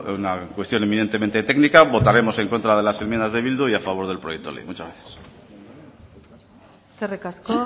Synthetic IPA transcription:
unakwe̞st̪jo̞nemine̞nt̪e̞me̞nt̪e̞t̪e̞ɡnikaβo̞t̪aɾe̞mo̞se̞ŋko̞nt̪ɾaðe̞laselmenazðe̞βild̪uiafaβ̞o̞ɾðe̞lpɾo̞jek̪̚t̪o̞lḛmut͡ʃazɣɾaθjḁs | kerekasko

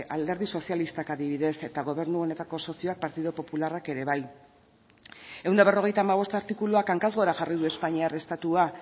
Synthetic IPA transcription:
ald̪e̞ɾð̞iso̞sjalist̪akaðiβ̞iðe̞se̞t̪aɣ̞o̞β̞e̞ɾnuo̞ne̞t̪ako̞so̞sio̞ak̚paɾt̪iðopo̞pularake̞ɾe̞βaj | e̞wnaβ̞e̞ro̞ɣ̞e̞jt̪aːmaβ̞o̞st̪aɾt̪ikuluakaŋkazɣo̞ɾaʝarið̞ue̞spaɲiare̞st̪at̪ua

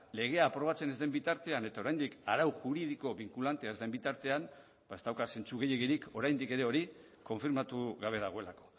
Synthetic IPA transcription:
le̞ɣ̞e̞aːpɾo̞β̞at͡se̞ne̞zd̪e̞mbit̪aɾt̪e̞ane̞t̪ao̞ɾajnd̪ikaɾawʝuɾið̞iko̞βiŋkulant̪e̞aezd̪embit̪aɾt̪e̞an | bae̞zt̪awkase̞nt͡suɣe̞jeɣiɾiko̞ɾajnd̪ike̞ɾe̞o̞ɾi | ko̞ɱfiɾmat̪uɣaβ̞e̞ðaɣ̞o̞e̞lako̞̥

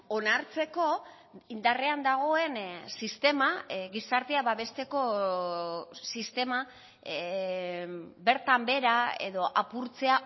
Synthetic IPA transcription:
o̞naɾt͡se̞ko̞ | ind̪are̞and̪aɣ̞o̞e̞nsist̪e̞maɣisaɾt̪iaβaβe̞st̪e̞ko̞ | sist̪e̞ma | be̞ɾt̪ambe̞ɾae̞ðo̞ʔapuɾt͡se̞a

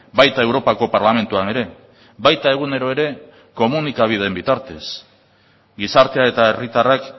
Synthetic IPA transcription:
bajt̪ae̞wɾo̞pako̞paɾlame̞nt̪uane̞ɾe̞ | bajt̪ae̞ɣ̞une̞ɾo̞e̞ɾe̞ | ko̞munikaβ̞iðembit̪aɾt̪e̞s | ɡisaɾt̪eae̞t̪ae̞rit̪arak

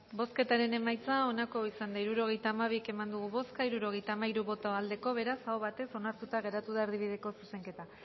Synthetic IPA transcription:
bo̞ske̞t̪aɾe̞ne̞majt͡sao̞nako̞isand̪aiɾuɾo̞ɣ̞e̞jt̪aːmaβ̞ike̞mand̪uɣ̞uβo̞skaiɾuɾo̞ɣ̞e̞jt̪aːmaiɾuβo̞t̪aald̪e̞ko̞β̞e̞ɾasaoβat̪eso̞naɾt̪ut̪aɣe̞ɾat̪uðaeɾðiβ̞iðe̞ko̞suse̞ŋke̞t̪a

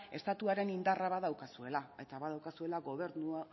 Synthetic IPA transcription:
e̞st̪at̪uaɾe̞nind̪araβaðawkasue̞lae̞t̪aβaðawkasue̞laɣo̞β̞e̞ɾnua

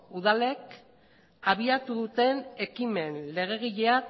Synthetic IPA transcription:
uð̞ale̞k | aβ̞iat̪uðut̪e̞ne̞kime̞nle̞ɣ̞e̞ɣ̞iʎe̞a

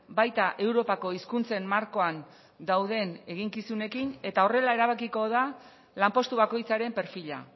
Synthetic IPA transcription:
bajt̪aʔe̞wɾo̞pako̞iskunt͡se̞mːaɾko̞an | d̪awð̞e̞ne̞ɣ̞iŋkisune̞kine̞t̪ao̞re̞laeɾaβ̞akiko̞ða | lampo̞st̪uβako̞jt͡saɾe̞mpe̞ɾfiʎa̰

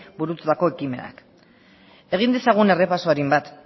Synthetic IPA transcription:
buɾut̪ðako̞ekime̞̰na̰k | e̞ɣ̞ind̪esaɣ̞une̞re̞pasoaɾimbat̪

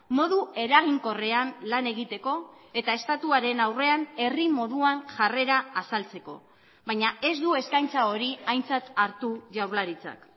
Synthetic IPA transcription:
mo̞ðue̞ɾaɣiŋko̞re̞anlane̞ɣ̞it̪e̞ko̞e̞t̪ae̞st̪at̪uaɾe̞nawre̞ane̞rimo̞ðuaŋʝare̞ɾaːsalt͡se̞ko̞̰ | βajɲae̞zd̪ue̞skajnt͡sao̞ɾiajnt͡sat̪aɾt̪uʝawɾlaɾit͡sa̰k

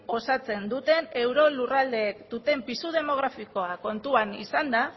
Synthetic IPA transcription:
o̞sat͡se̞nd̪ut̪e̞ne̞wɾo̞lurald̪e̞ːkd̪̥ut̪e̞mpisuð̞e̞mo̞ɣ̞ɾafiko̞ako̞nt̪uanḭsand̪a

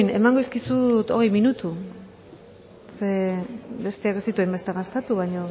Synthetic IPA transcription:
ne̞̰maŋɡoiskisut̪o̞̰ɣe̞jminut̪u | sebe̞st̪eakest̪it̪uembest̪eɣast̪et̪uβajɲo̞

